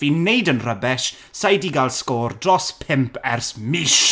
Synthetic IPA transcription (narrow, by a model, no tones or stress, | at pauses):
viːnejdənrəbɛʃ | sajdiɡalˠskoːrdrɔspʰɪmpʰɛrsmɪʃ